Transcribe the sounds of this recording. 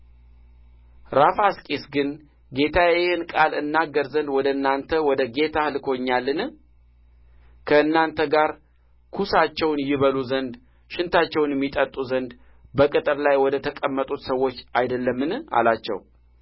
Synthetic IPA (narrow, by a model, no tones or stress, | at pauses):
ɾafaskʼesɡɨn | ɡe̞t̪ʰajjɪhɨnkʼalɨnːaɡːəɾzənd̪wɔd̪əɨnːant̪ʰəwɔd̪əɡe̞t̪ʰahɨlkʰo̞ɲːalːɨnɨ | kʰəɨnːant̪ʰəɡaɾ | kʰusat͡ʃːɛwnjɪβəluzənd̪ | ʃɪnt̪ʰat͡ʃːɛwnjɛmːit̪ʼət̪ʼuzənd̪ | bəkʼɨt̪ʼɨɾlajwɔd̪ət̪ʰəkʼəmːət̪ʼut̪səwːo̞t͡ʃːajd̪əlːəmːɨnɨa̰lat͡ʃːɛ̰w